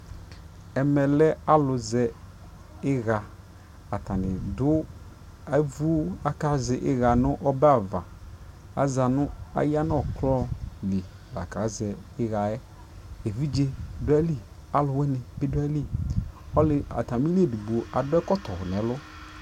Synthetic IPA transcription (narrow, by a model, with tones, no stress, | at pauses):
ɛ˨mɛ˨lɛ˦a˦lʊ˨zɛ˨ | ɪ˦ɣa˨ | a˨ta˨nɪ˨dʊ˦ | a˨˦vu˦a˨ka˨˦zɛ˨ʔɪ˦ɣa˨nʊ˦ʔɔ˦ba˦˨va̰˨ | a̰˦za˨nʊ˦a̰˦ja˦n˦ɔ˨klɔ˦li˨ | ba̰˨ka˨˦zɛ˨ɪ˦ɣa˨ɛ˦ | e˨vi˦d͡ʒe˦dʊ˦ɛ˦li˦ | a˦lʊ˨wɛ˦nɪ˨bɪ˦dʊ˦ɛ˦li˦ɔ˦lɪ˨a̰˨ta˨m˦i˦le˦˨du˨ɡ͡bu˨o˨ʔa˨dʊ˦ɛ˦kɔ˦t̪ɔ˨hʊ˨n˨ɛ˨˦lʊ˦